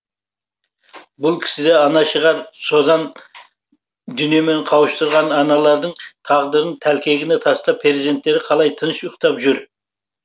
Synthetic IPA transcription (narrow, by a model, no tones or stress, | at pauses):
bʊlˠkʲʰɪ̥sɪd̪eɑnɑʃəʁɑɾso̞d̪ɑn | d̪ʏnjeme̞ɴqʰɑwəʃt̪ʊɾʁɑnɑnɑlˠɑɾd̪əɴt̪ʰɑʁd̪əɾənt̪ʰælkʲe̞ɡʲɪnet̪ʰɑst̪ɑpʰɾeɾzid̪e̞nt̪ːe̞ɾɪqʰɑlˠɑjt̪ʰənʃʊqt̪ɑpʒʏɾ